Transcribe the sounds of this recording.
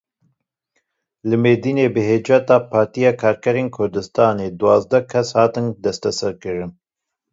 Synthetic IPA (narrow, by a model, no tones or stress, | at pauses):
lɨmeːd̪iːneːbɨɦeːd͡ʒɛt̪ɑːpʰɑːɾt̪ijɑːkʰɑːɾkɛɾeːnkʰʊɾd̪ɨst̪ɑːneːd̪uwɑːzd̪ɛkʰɛshɑːt̪ɨnd̪ɛst̪ɛsɛɾkɨɾɨn